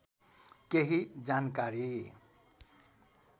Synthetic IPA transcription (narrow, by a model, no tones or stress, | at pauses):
keɦid͡ʒankaɾi